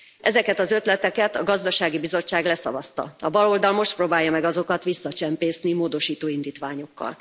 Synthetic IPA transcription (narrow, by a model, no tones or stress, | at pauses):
ʔɛzɛkɛt̪ɒzø̞t̪lɛt̪ɛkɛt̪ɒɡɒzd̪ɒʃaːɡibizo̞t͡ʃːaːɡlɛsɒ̰vɒst̪ɒ̰ɒbɒlo̞ld̪ɒlmo̞ʃt̪̚proːbaːjːɒmɛɡɒzo̞kɒt̪ʋisːɒt͡ʃɛmpeːsnimoːd̪o̞ʃiːt̪oːind̪iːt̪ʋaːɲo̞kːɒ̰l